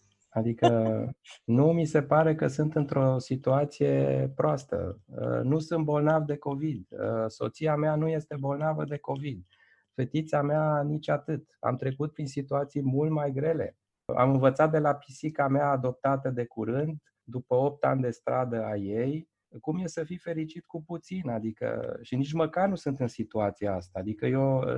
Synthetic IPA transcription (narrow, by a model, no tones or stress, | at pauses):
ad̪ikə | numise̞paɾe̞kəsɨnt̪ɨnt̪ɾo̞sit̪uat̪sije̞̰pɾoast̪ə̰ənusɨnt̪̚bo̞lnavd̪e̞ko̞vid̪so̞̰t̪siameanuje̞st̪e̞bo̞lnavə̰d̪e̞ko̞vid̪̚ | fe̞t̪it̪sameanit͡ʃat̪ɨt̪a̰mt̪ɾe̞kut̪̚pɾinsit̪uat̪sijmult̪majɡɾe̞le̞̰ | a̰mɨnvət̪sat̪̚d̪e̞lapisikameaːd̪o̞p̚t̪at̪əd̪e̞kuɾɨnd̪ | d̪upəo̞p̚t̪a̰nʲd̪e̞st̪ɾad̪əajej | kumje̞səfife̞ɾit͡ʃit̪kuput̪sinad̪ikə̰ʃinit͡ʃməkarnusɨnt̪ɨnsit̪uat̪sijaast̪aːd̪ikəjo